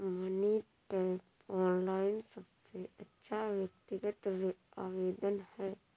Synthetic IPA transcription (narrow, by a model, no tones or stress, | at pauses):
mɐni | pe | ɔːnlaːɪnsɐbseɐtːʃʰaʋjək̚t̪ɪɡət̪aːʋeːd̪ənhɛː